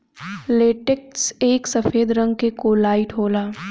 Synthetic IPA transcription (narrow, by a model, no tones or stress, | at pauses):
leːʈekseːksɐfeːd̪ɾə̃ŋɡ̚kekoːlaːiʈʰɦoːlaː